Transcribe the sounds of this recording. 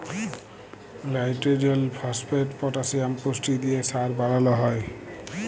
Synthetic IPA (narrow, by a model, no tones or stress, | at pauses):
lajtɹediɔlpʰaspʰetpɔtasiamkostid̪ijɛsaɹbaɹalɔɦɔj